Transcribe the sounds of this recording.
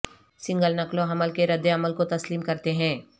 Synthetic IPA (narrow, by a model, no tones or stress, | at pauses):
sɪ̃ŋɡəlnɐklõɦɐməlkeɾɐd̪ːeɐməlkot̪ɐsliːmkɐɾt̪eɦɛ̃ː